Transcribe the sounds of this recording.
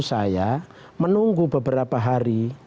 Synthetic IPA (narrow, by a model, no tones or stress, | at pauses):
saja | mənuŋɡubəbəɾapaɦaɾi